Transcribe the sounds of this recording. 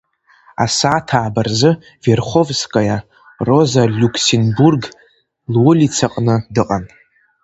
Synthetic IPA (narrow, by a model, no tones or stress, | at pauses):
a̰saːtʰaːbarzɨ | verχʷovskʼaja | ro̞zalʲukʰsenburɡ | lwʊlit͡sʰaqʼnɨdɨqʼan